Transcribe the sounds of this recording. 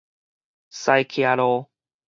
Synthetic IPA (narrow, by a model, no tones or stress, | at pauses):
sajkʰiaɾo